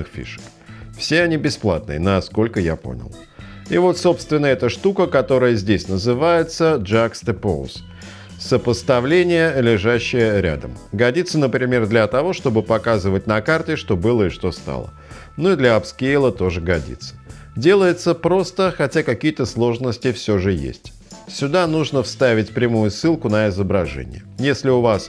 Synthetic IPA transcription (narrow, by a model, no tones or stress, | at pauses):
ɨxfʲḭʂə̥kfsʲeɐnʲibʲɪsplˠa̰t̪̚nɨ̰ənɐsko̞lʲkəja̰po̞̰nʲɪ̰lˠ | ivo̞t̪so̞pst̪vʲɪnːəɛt̪əʂt̪ukəkɐt̪o̞ɾəjəzʲdʲesʲnəzɨvajɪt̪səʐakst̪ɨpo̰lˠs | səpəst̪ɐvlʲenʲɪjəlʲɪʐaɕːɪjəɾʲa̰d̪əm | ɡɐdʲit̪sənəpɾʲɪmʲe̞rd̪lʲɐt̪ɐvo̞ʂt̪o̞bɨpɐkazɨvət̚ʲnɐkart̪ʲɪʂt̪o̞bɨlˠəɪʂt̪o̞st̪a̰lˠə̰ | nuɪd̪lʲəɐpskʲejlˠət̪o̞ʐɨɡɐdʲḭt̪sːə̥ | dʲe̞lˠəjɪt̪səpɾo̞st̪əxɐtʲakɐkʲijət̪əslˠo̞ʐnəsʲtʲɪfsʲɵʐɨjḛsʲtʲ | sʲʊd̪anuʐnəfst̪avʲɪtʲpɾʲɪmujʊsːɨlˠkʊnəɪzəbɾɐʐɛ̰nʲɪ̰jəjesʲlʲɪʊvas